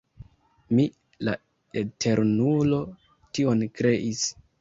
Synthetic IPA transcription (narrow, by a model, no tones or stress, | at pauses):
mi | la̰ | etʰe̞ɾnulo̞ | tio̞nkɾe̞ʔis